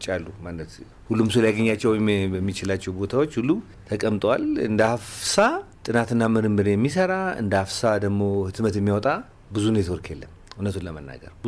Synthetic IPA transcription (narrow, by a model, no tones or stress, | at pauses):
t͡ʃʼalːumanːət̪ | hulːumsuljaɡəɲːat͡ʃːɛwjmjɛmːit͡ʃɪlat͡ʃːɛwbo̞t̪ʰawo̞t͡ʃːhulːu | t̪ʰəkʼəmt̪ʼwalɨ̰nd̪əhafsat̪ʼɨnat̪ɨnːamɨɾɨmːɨɾjɛmːisəɾaɨ̰nd̪əafsad̪əɡmo̞hɨt̪mət̪jɛmːiwɔt̪ʼa | bɨzunet̪oɾkʰjelːəmunət̪ʰunləmənːa̰ɡə̰ɾbɨ